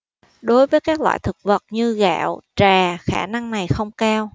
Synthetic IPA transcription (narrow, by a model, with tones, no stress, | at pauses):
ɗo˨˦jvəː˨˦jkaː˦˥k̚lwa̰ː˧˨jt̪ʰɨ˨˩k̚və˨˩t̚ɲɨ˧ɣa̰ː˧˨wt͡ɕaː˨˩xaː˧˩na˧ŋna˨˩jxə˧wŋ͡mkaː˧w